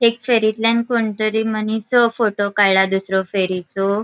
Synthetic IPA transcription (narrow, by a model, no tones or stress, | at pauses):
ekfeɾit̪lankoɳt̪əɾimənisɔfoʈokajlad̪usɾɔfeɾit͡so